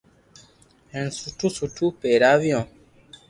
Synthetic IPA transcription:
ɛ̃nsutusutupeɾavjɔ̃

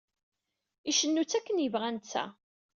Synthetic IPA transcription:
iʃənːut͡sːækːənjəvʁænt͡sːæ̰

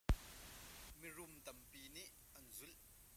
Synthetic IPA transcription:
mirʊmt̪ɐmpiːniʔ | ɐnzʊl

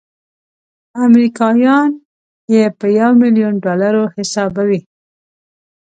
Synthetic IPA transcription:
amɾikɑjɑn | jepəjawmɪljunɖɑlaɾohɪsɑbawi

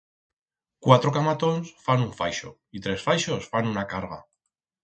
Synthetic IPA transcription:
kwat̪ɾokamat̪o̞nsfanuɱfajʃo̰ | it̪ɾe̞sfajʃo̞sfanunakaɾɣa̰

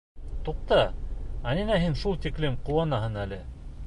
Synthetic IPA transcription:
t̪uq̚t̪ɑɑninæɦinʃulˠt̪iklɘmquwɑnɑɦɤnælɘ

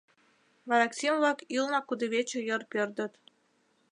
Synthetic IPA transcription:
vɑɾɑksʲimvɑkilˠnɑkud̪ɤ̆βʲet͡ɕɘ̆jɤ̆rpʲerd̪ɤ̆t̪

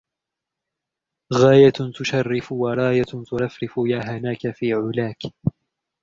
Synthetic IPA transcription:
ɣaːjat̪ʊʃɑrːɪfʊwɑɾˤɑːjat̪ʊɾˤɑfɾɪfʊjaːɦanaːkafiːʕʊlaːk

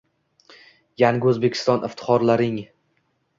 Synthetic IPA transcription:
jaŋʲɵzbe̞kʲʰɪ̥st̪ɒnʔɪft̪ʰɪ̥χɒɾlaɾɪŋ

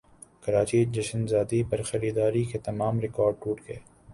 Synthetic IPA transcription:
kɐɾaːt͡ʃid͡ʒɐʃənzaːd̪ipɐɾxɐɾiːd̪aːɾiket̪ɐmaːmɾɪkɔːɾɖ̚ʈuːʈɡɐeː

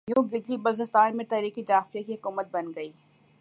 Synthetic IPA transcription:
jũɡɪd͡ʒlibɐlzɪst̪aːnmẽt̪ɛːɾiːkid͡ʒaːfɾjekiɦʊkuːmət̪̚bɐnɡɐiː

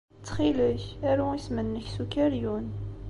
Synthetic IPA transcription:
t͡sːχiləçæɾuismənːəçsukːæɾjun

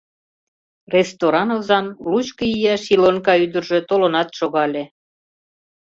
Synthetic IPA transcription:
rest̪oɾɑnɤ̆lzɑnlut͡ɕkəjijæʃilonkɑyd̪ərʒe̽t̪olonɑt̪ʃoɣɑlʲe

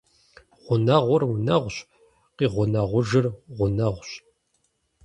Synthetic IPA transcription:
ʁ̥ʷʊnɐʁʷʊrwnɐʁʷɕ | qiːʁʷʊnɐʁʷʊʒɨrʁʷʊnɐʁʷɕ

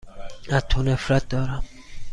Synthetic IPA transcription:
æt̪ʰːonefɾæt̪̚d̪ɒːɾæm

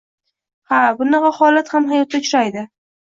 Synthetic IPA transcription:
habʊnɑqɑhɒlat̪hamɦajɒt̪̚ːat͡ʃʰʊ̥ɾajd̪ɪ

